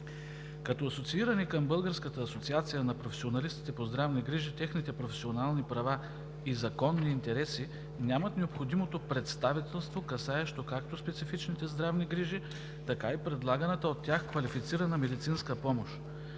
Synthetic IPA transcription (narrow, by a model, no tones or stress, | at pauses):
kɐt̪ɔɐsot̪siiɾɐnikəmbɤlˠɡəɾskət̪əːsot̪siat̪sijənɐpɾofɛ̥sionɐlist̪i̥t̪ɛpozd̪ɾavniɡɾiʒit̪ɛxnit̪ɛpɾofɛ̥sionalˠnipɾɐva | izɐkɔnːiːnt̪ɛɾɛsi | nʲjamət̪nɛopxod̪imot̪opɾɛt̪st̪avit̪ɛlˠst̪vokɐsaɛʃt̪okakt̪ospɛt̪sifit͡ʃnit̪ɛzd̪ɾavniɡɾiʒi | t̪ɐkaipɾɛd̪lˠaɡənɛt̪əot̪ʲːaxkvɐlifit̪siɾɐnɐmɛd̪it̪sinskəpɔmoʃ